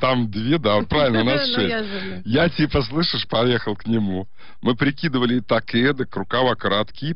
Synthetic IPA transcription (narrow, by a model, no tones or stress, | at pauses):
t̪amd̪vʲed̪apɾavʲɪlʲnənasʂɛsttʲ | jatʲipəs̬lˠɨʂɨʂpɐjexəlˠknʲɪmu | mɨpɾʲɪkʲid̪əvəlʲɪt̪ɐked̪ɨkɾʊkavakɾat̪kʲi